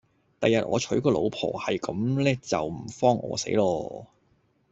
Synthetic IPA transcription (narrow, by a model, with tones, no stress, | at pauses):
t̪ɐ˨jɐ˨t̚ʔɔː˨˧t͡ʃʰɵ˨˥ɥkɔː˧lo̰˨˧wpʰɔ̰ː˨˩hɐ˨jkɐ˨˥mlɛː˥t͡sɐ˨wm̩˨˩fɔː˥ŋʔɔ̰ː˨˧sḛ˨˥jlɔː˧